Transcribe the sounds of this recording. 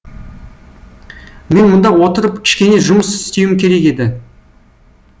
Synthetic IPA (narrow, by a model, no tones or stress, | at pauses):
me̞nmʊnd̪ɑwo̞t̪əɾəp̚kʲʰɪ̥ʃkʲe̞ne̞ʒʊməsɪst̪e̞wɪmkʲʰe̞ɾe̞ke̞d̪ɪ